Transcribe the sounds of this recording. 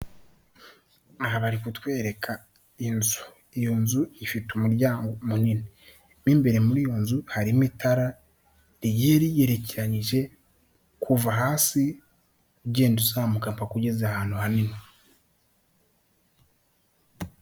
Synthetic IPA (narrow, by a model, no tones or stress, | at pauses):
ahaβaɾikutwe̞ːɾe̞kʰa | inzu̥ | ijo̞nzuifitumuɾɟaːŋɡomunini | nimbe̞ɾe̞muɾijo̞nzuhaɾimitʰaɾa | ɾijeːɾije̞ɾe̞ceɾaɲiʒe̞ | kʰuvaɦaːsi | ɟeːnduzaːmukampakuɟezahaːn̥huhanine